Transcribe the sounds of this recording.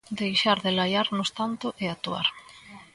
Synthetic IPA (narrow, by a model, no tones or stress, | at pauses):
d̪ejʃaɾðɪlajaɾnʊst̪ant̪ʊʔeat̪ua̰ɾ